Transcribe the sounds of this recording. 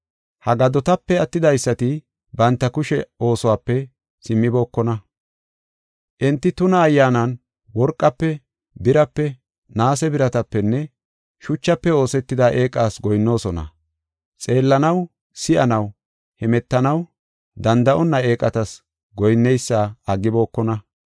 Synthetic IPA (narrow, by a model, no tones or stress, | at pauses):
hɐɡɐd̪ɔt̪ɐpːɛɐt̪ːɪd̪ɐjsːɐt̪ɪ | bɐnt̪ːɐkʊʃɛo̞ːsɔwaːpːɛ | sɪmːɪbo̞ːkːɔnɐ | ʔɪnt̪ːɪt̪ʊnɐːjːaːnɐn | wɔɾkʼːɐpːɛ | bɪɾɐpːɛ | naːsɛbɪɾɐt̪ɐpːɛnːɛ | ʃʊt͡ʃːɐpːɛo̞ːsɛt̪ːɪd̪aʔe̞ːkʼːaːsɡɔjnːo̞ːsɔnɐ̰ | t͡sʼe̞ːlːɐnɐw | sɪʔɐnɐw | hɛmɛt̪ːɐnɐw | d̪ɐnd̪ɐʔɔnːɐe̞ːkʼɐt̪ɐs | ɡɔjnːɛjsːaːɐɡːɪbo̞ːkːɔnɐ